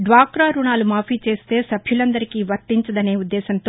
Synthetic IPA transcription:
ɖʋaːkɾaːɾuɳaːlumaːpiːt͡ʃe̞ːst̪e̞ːsɐbʱjulɐnd̪ɐɾikiːʋɐɾt̪iɲt͡ʃɐd̪ɐne̞ːud̪ːeːsɐnt̪oː

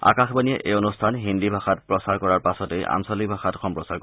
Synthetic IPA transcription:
a̰kaxbaniɛʔeonustʰanɦindibʱaxatpɹɔsaɹkɔɹaɹpasɔteja̰msɔlik̚bʱaxatxɔmpɹɔsaɹkɔ

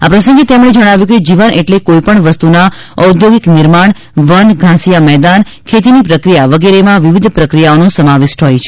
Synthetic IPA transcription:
apɾəsə̃ŋɡet̪emɳ̃ed͡ʒəɽ̃aʋjuked͡ʒiʋənʔeʈlekoipəɳʋəst̪una | əud̪ʱjoɡiknɪɾmaɳ | ʋənɡʱãsijamɛɦd̪an | kʰet̪̬inipɾəkɾijaʋəɡeɾemãʋiʋid̪ʱpɾəkɾijaonosəmaʋɪʃʈ̪ʰɦɔjt͡ʃʰ

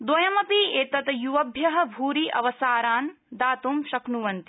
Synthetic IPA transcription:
d̪ʋɐjɐmɐpieːt̪ɐt̪ɐjuʋɐbʱjɐɦɐ̆bʱuːɾiʔɐ̰ʋɐsaːɾaːn | d̪aːt̪umʃɐknuʋɐnt̪i̥

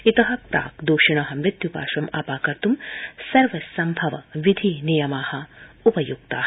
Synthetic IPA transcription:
it̪ɐɦɐ̆pɾa̰ːkd̪uːʂiɳɐɦɐmɾɪt̪jupa̰ːʃɐmɐpaːkɐɾt̪umsɐɾʋɐsɐmbʱɐʋɐ̰ʋid̪ʱinijɐmaːhɐ̆upɐjuɡ̚t̪aː

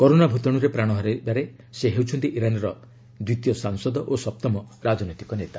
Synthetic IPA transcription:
kɔɾonabʱut̪ɔɽ̃uɾepɾaɽ̃ɔɦɔɾebaɾe | seɦewt͡ʃʰɔnt̪iʔiɾanɔɾɔ | d̪wit̪ijɔsaŋsɔd̪ɔʔosɔp̚t̪ɔmɔɾad͡ʒɔnɔjt̪i̥kɔnet̪a

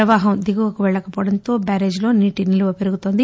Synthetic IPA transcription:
ɐʋaːɦɐmd̪iɡuɡɐkuʋɛɭːɐkɐpɔːʋɐɽɐnt̪o̞ːbaːɾe̞ːd͡ʒlo̞ːniːʈiniluʋɐpeɾuɡut̪oːnd̪i

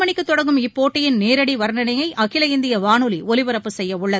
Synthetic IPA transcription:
mɐɳɪkːɯt̪ːɔɽɐŋɡɯmɪpːoːʈːɪjɪnneːɾɐɽiʋɐɾɳɐnɐjɐɪʔɐkɪlɐɪnd̪ɪjɐʋaːnɯliɔlɪʋɯɾɐpːɯsɛjːɐʊɭːɐð

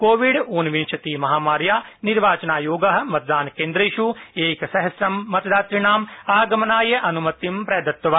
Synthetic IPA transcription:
koːʋiɖuːnʋinʃʰɐt̪iːmɐɦaːmaːɾjaːniɾʋaːt͡ʃɐnaːjoːɡɐɦɐ̆mɐt̪̚d̪aːnkẽːnd̪ɾɐiʃueːksɐɦɐsɾɐmːɐt̪d̪aːt̪ɾiɳaːmaːɡɐmɐnaːjɐʔɐnumɐt̪ːimpɾɐːd̪ɐt̪ːʋaː

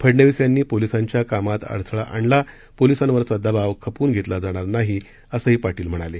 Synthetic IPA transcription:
pʰəɽɳəʋisjanːiːpolisaɲt͡ɕjakamat̪ə̰ɽt̪ʰɭaʔaɳla | polisanʋəɾt͡sad̪əbaʋkʰəpuːnɡʱet̪lad͡zaɽ̃aɾnaɦi | əsəɦiːpaʈiːlm̤əɽ̃ale

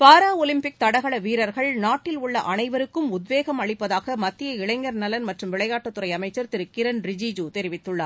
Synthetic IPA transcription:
paːɾaːɔlɪmpɪk̚t̪ɐɽɐɣɐɭɐʋiːɾɐɾɣɐɭnaːʈːɪlʊɭːɐʔɐnɐɪʋɐɾɯkːɯmʊd̪ʋeːɣɐmɐɭɪpːɐðaːɣɐmɐt̪ːɪjɐɪɭɐɪŋɡɐɾnɐlɐnmɐʈrɯmʋɪɭɐjaːʈːɐt̪ːɯɾɐɪɐmɐɪt͡ʃːɐɾt̪ɪɾɯkːɪɾɐnɾɪd͡ʒid͡ʒuːt̪ɛɾɪʋɪt̪ːɯɭːɐ

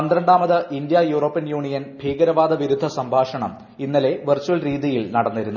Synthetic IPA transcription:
ɐnd̪ɾɐɳɖaːmɐðɨʔind̪jɐjuːroːpːijɐnjuːɳijɐnbʱiːɡɐɾɐʋaːd̪ɐʋiɾud̪ʱːɐsɐmbʱaːʂɐɳɐ̰m | inːɐle̞ʋert͡ɕːuɐlriːðijilnɐɽɐnːɐɾunːu

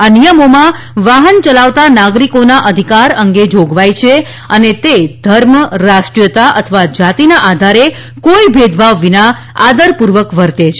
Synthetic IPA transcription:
anijəmomã | ʋaɦənt͡ʃəlaʋt̪anaɡɾikonaʔəd̪ʱikaɾəŋɡed͡ʒoɡʋajt͡ʃʰe | ənet̪ed̪ʱəɾmɾaʃʈɾijət̪aʔət̪ʰəʋad͡ʒat̪inaʔad̪ʱaɾe | koibʱed̪ʱbʱaʋːina | ad̪əɾpuɾʋəkʋəɾt̪et͡ʃʰ

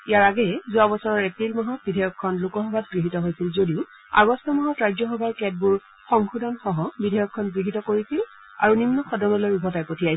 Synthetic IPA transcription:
ijaɹaɡɛɛzuabɔsɔɹɔɹɛk̚tilmɔɦɔt̚bidʱɛjɔkʰːɔnlukɔxɔbʱat̚ɡɹiɦitɔɦojsilzodiʊ | a̰ɡɔstʰɔmɔɦɔtɹazjɔxɔbʱaɹkɛt̚buɹ | xɔŋxudʱanxɔɦɔbidʱejɔkʰːɔnɡɹiɦitɔkoɹisil | aɹunimːɔxɔdɔnɔlojubʱɔtajpotʰijaj

